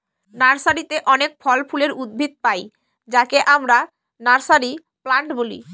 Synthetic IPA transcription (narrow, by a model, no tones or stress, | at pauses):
naɾsaɾit̪eʔɔnek̚fʰɔlpʰuleɾud̪̚bʱit̪̚paj | d͡ʑakeʔamɾa | naɾsaɾi | plaɳʈbolḭ